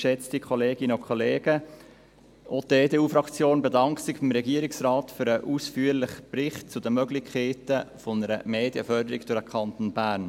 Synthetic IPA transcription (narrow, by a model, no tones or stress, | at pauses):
ʃɛt͡stikʰχɔleːɡɪnəʊkʰχɔleːɡ̥ə | ʔodeːdeːuːfɾɑkt͡sjoːnbɛdɑŋktsɪχb̥ɪmɾɛɡiəɾɪksɾɑːtføɾəʔuːsfyːəɾlɪχprɪχt̚t͡sʊdəmœɡlɪkʰeːtəfɔnəɾə̰meːdjəfœɾdəɾɪɡd̥ʊɾəkʰχɑnt̪onbæːɾn